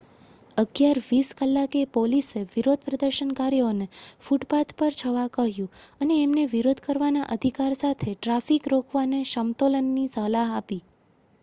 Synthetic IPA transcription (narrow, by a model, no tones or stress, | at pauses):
əɡjaɾʋiskəlːakepoliseʋiɾod̪̚ʱpɾəd̪əɾʃənkaɾjonefuʈpat̪pəɾt͡ʃʰəʋakəɦjũəneːmneʋiɾod̪ʱkəɾʋanaʔəd̪ʱikaɾsat̪ʰeʈɾafikɾokʰʋaneʃəmt̪olənːisəɦlaɦapi